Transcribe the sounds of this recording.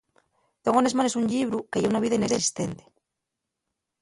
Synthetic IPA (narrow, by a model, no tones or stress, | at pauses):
d̪̥oŋone̞zmanesuɲʎiβɾukeʝeunaβiðaene̞ɾaesi̥st̪e̞nt̪e̥